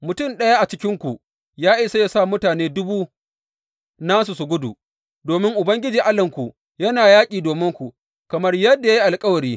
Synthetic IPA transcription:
mʊ˨tʊ˦˨mɗɐ˦ja˦ʔa˨t͡ʃɪ˦kʲɪ˦ŋkʷu˨ʔ | jaː˦ʔɪ˦sa˦ja˨sa˦˨mʊ˦taː˨neː˦dʊ˦buː˦ | naː˦s̬u˨sʊ˨ɡʷʊ˦dṵ˨ | doː˨mɪ˦ŋʔʊ˨bɐ˦ŋɡʲɪ˦d͡ʒiː˨ʔa˦lɐ˨ŋkʷu˨ | jɐ˦naː˨jaː˦kʲʼiː˨doː˨mɪ˦ŋkʷu˨ | kɐ˨mɐ˦rjɐ˦dːa˨ja˦ji˦ʔa˨lkʼɐ˦wɐ˨ɾiː˦

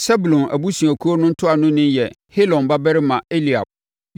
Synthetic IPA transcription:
sɛ˦bu˨lɔ̃˨nʔæ̰˨bu˦sũ˨æ˨kʰu˦o˦nʊ̃˦n̩˦tʰʊ˦a˨nʊ̃˦nɪ̃˦njɛ˨ | he˦lɔ̃˨nba˦bɛ˦ɾɪ˦mã˨e˦li˨a̰˨b̚

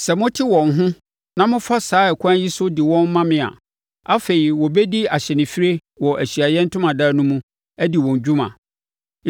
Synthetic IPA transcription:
sɛ˨mõ˦tʰi˦wɔ̃˨n˦ɦʊ̃˦ | nã˦mʊ̃˦fa˦saː˦ɛ˨kʷʰã˦ji˦sʊ˦di˨wɔ̃˦m˦mã˦mɪ̃˨a̰˨ | a˦fe˨ɾi˨wɔ˨bɛ˦di˦a˨ɕɛ˨nɪ̃˨fi˦ɾe˦ | wɔ˨ʔæ˨ɕi˨a˨jɛ̃˦n̩˦tʰʊ̃˦mã˨da˦nʊ̃˦mũ˦ | æ˦di˨wɔ̃˨ɲ˨d͡ʑᶣũ˦mã̰˨

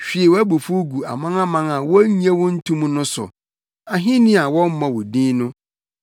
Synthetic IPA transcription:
ɕᶣi˨e˨wæ˦bu˨fu˦ɡu˨a̰˨mã˦ŋã˦mã˦ŋa˨wɔ˦ɲ˦ɛ̃˦wʊ̃˦n̩˦tʰũ˦mũ˦nʊ̃˦sʊ̰˨ | a˨ɦĩ˦nĩ˦a˨wɔ̃˦m˦mã˨wʊ˨dĩ˦nʊ̃˦

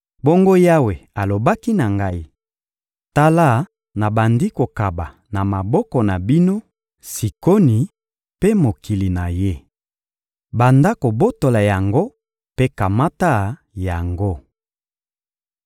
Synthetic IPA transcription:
bo˦ŋɡo˦ja˦we˨a˨lo˨ba˦ki˦na˨ŋɡa˦i˦ | ta˦la˦˨ | na˨ba˨ndi˦ko˨ka˨ba˨ | na˨ma˨bɔ˦kɔ˨na˨bi˦no˦ | si˨ko˦ni˨ | pe˦mo˨ki˨li˨na˨je˦ | ba˨nda˦ko˨bo˦to˨la˨ja˨ŋɡo˦ | pe˦ka˨ma˦ta˦˨ | ja˨ŋɡo˦

